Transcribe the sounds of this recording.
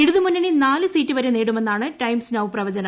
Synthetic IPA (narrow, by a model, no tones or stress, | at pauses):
eɽuðumunːɐninaːlɨsiːtːɨʋɐɾemneːɽume̞nːaːɳɨʈɐjmsnɐʋwprɐʋɐd͡ʑɐnɐ